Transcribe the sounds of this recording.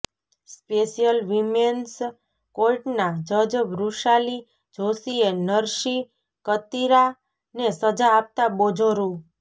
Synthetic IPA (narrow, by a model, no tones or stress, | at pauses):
speʃijəlʋimens | kolʈnad͡ʒəd͡ʒbɾuʃali | d͡ʒʱosienəɾʃi | kət̪iɾa | nesəd͡ʒaːp̚t̪abod͡ʒʱoɾũ